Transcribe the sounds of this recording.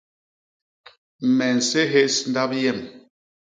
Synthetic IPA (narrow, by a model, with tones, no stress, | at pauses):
m̩˨mɛ˨n̩˨se˦ɦe˦sn˦da˦p̚jɛ˦˨m